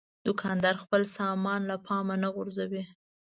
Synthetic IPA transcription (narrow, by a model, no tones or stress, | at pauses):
d̪̥ʊkʰɑnd̪ɑɾxpəlsɑmɑnlapʰɑmanaɣʊɾzawi